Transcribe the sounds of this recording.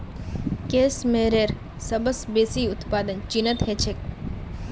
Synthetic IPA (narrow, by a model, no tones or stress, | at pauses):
keːsmeɾeːɾ | sɐbəsbeːsiːʊt̪paːd̪ənt͡ʃinət̪het͡ʃʰek̚